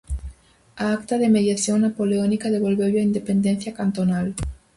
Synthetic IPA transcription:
aakt̪aðe̞me̞ðjasjo̞nnːapo̞leonikaðe̞βo̞lβeβjoaind̪e̞pe̞nd̪e̞n̟θjakant̪o̞nal

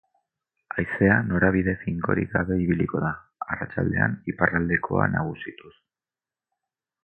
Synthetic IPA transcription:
ajse̞ano̞ɾaβ̞iðe̞fiŋko̞̰ɾḭkɡaβe̞iβiliko̞ða | arat͡ʃa̰ld̪e̞̰a̰niparald̪e̞kʰo̞̰a̰naɣ̞usit̪us

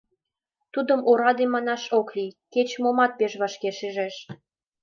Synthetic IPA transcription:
t̪ud̪əmoɾɑd̪emɑnɑʃoklijket͡ɕmomɑt̪̚peʃβɑʃkeʃiʒeʃ

